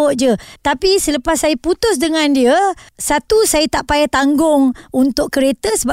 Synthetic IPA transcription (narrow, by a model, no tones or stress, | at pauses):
ʔ̚d͡ʒət̪apisələpasːajəput̪ʊs̬dəŋãndiəsat̪usajət̪aʔpajat̪aŋɡʊŋunt̪ʊkkːəɾet̪əsəba